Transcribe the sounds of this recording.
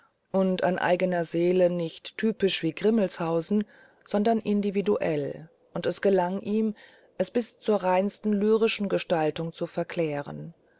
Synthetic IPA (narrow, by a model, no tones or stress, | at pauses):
ʔʊnta̰nʔa̰ɪɡənɐzeːlənɪçtːʰyːpɪʃv̥iːɡʁɪml̩shaʊzn̩ | z̥ɔndɐnʔɪndividuʔɛl | ʔʊntɛsɡ̥əlaŋʔiːm | ʔɛsb̥ɪst͡suːɐʁaɪnstn̩lyːʁɪʃn̩ɡəʃtaltʊŋt͡sufɛɐkʰl̥ɛːʁə̰n